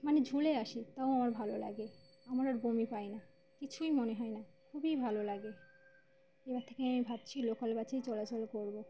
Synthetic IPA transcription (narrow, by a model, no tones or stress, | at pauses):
maned͡ʑʱuleaʃit̪aoamaɾbʱalola̰ɡe | amaɾaɾbomipaena | kit͡ɕʰujmoneɦɔenakʰubibʱalolaɡe | ebaɾt̪ʰe̥keamibʱab̚t͡ɕʰilokalbat͡ɕejt͡ɕɔlat͡ɕolkoɾbo